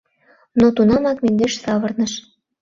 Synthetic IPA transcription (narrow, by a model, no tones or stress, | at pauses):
not̪unɑmɑkmend̪eʃsɑβɤ̆rnəʃ